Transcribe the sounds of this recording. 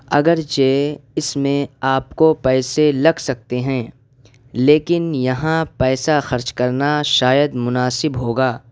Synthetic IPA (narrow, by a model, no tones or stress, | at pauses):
ɐ̰ɡəɾt͡ʃeːɪsmẽaːpkopɛːselɐɡsɐk̚t̪eɦɛ̃ː | leːkɪnjɐɦãpɛːsaxɐɾt͡ʃkɐɾnaʃaːjəd̪mʊnaːsɪbɦoːɡaː